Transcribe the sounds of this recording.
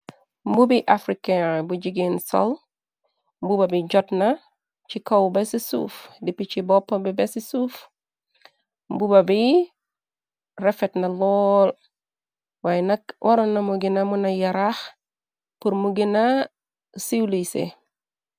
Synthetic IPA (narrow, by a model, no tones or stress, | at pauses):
mbubiʔafɾikebuɟiɡinso̰l | mbubabiɟɔtna | t͡ʃikowbesisṵfdipit͡ʃibɔpːobibesisuf | mbubabi | refetnɐlɔl | wajnɐkwʔoɾonːɐmuɡinamunajaɾax | puɾmuɡina | siwlisḛ